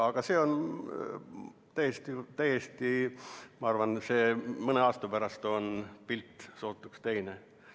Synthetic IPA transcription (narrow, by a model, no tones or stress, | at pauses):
ɑɡ̥ɑse̞ːo̞n | t̪æjest̪it̪æjest̪imɑɑrvɑnseːmɤne̞ɑːst̪ɑpæɾɑst̪o̞npilt̪ːˑso̞ːt̪ːˑukst̪e̞jne